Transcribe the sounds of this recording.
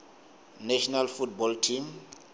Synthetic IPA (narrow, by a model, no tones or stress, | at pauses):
naʃɔnalfutbɔltʰim